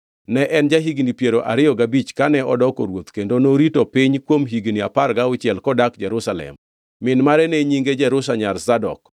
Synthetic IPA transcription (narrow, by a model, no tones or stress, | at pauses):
nɛʔɛnd͡ʒaɦiɡnipjeɾoʔa̰ɾɪjɔɡabit͡ʃkanɛɔdɔko̰ɾwot̪kendonoɾitopɪɲkwomɦiɡniaparɡaʊt͡ʃjɛlkɔdakd͡ʒɛɾʊsalɛ̰mː | ɪnmaɾɛneɲiŋɡed͡ʒɛɾʊsaɲarzadɔ̰k